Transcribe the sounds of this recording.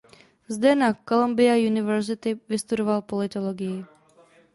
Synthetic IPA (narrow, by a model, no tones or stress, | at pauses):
zd̪ɛnakolombɪajunɪvɛɾzɪt̪ɪvɪst̪udovalpolɪt̪oloɡɪjɪ